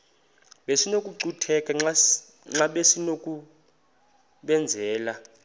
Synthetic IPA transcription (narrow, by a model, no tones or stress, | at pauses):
ɓesinokʼuǀutʰɛkʼɛŋ͡ǁ | ŋ͡ǁaɓesinokʼu | ɓɛnd͡zʱɛːla